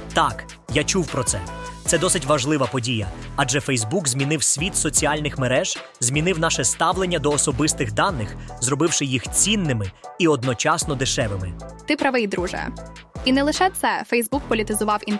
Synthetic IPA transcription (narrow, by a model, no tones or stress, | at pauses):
t̪ɑk | jat͡ʃuwpɾɔt̪sɛt̪sɛd̪ɔsɪtʲʋɐʒlˠɪʋɐpɔdʲijɐ | ɑd͡ʒɛfɛjzbukzʲmʲinɪwsʲʋʲit̪sɔt͡sʲiɑlʲnɪxmeɾɛʒ̥ | zʲmʲinɪwnɑʃɛst̪ɑwlˠenʲːɐd̪ɔːsɔbɪst̪ɪxd̪ɑnːɪxzrɔbɪwʃɪjixt͡sʲinːɪmɪiɔd̪nɔt͡ʃɑsnɔd̪ɪʃɛʋɪmɪt̪ɪpɾɐʋɪjd̪ɾuʒɐ̰ɐ̰ | inɛlˠɪʃɛt̪sɛfɛjzbuk̚pɔlʲit̪ɪzʊʋɑwin